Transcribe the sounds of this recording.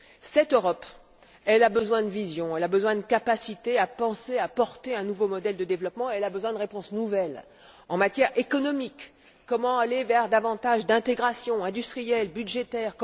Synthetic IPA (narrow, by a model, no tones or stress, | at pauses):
sɛt̪øʁɔp | ɛlabəzwɛ̃d̪əvizjɔ̃ɛlabəzwɛ̃d̪əkapasit̪eapɑ̃seapɔʁt̪eɛ̃nuvomɔd̪ɛld̪əd̪evlɔpmɑ̃eɛlabəzwɛ̃d̪əʁepɔ̃snuvɛl | ɑ̰̃mat̪jɛʁekɔnɔmikː | ɔmɑ̃alevɛʁd̪avɑ̃t̪aʒd̪ɛ̃t̪eɡʁasjɔ̃ɛ̃d̪yst̪χijɛlbyd̪ʒet̪ɛʁk